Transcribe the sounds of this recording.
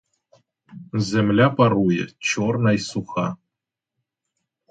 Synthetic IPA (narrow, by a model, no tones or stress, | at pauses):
zʲemlʲæpaɾujə̰t͡ɕornajsuxa